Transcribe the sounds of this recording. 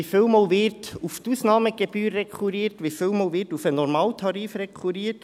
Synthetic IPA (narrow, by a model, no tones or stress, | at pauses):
ifɪlmɑːlʋɪrtuft̪usnɑːməɡeb̥yːɾːɛkʰuɾiːrtʋifɪlmɑːlʋɪrtufənɔɾmɑːlt̪ʰɑɾiːfɾɛkʰuɾiːəɾt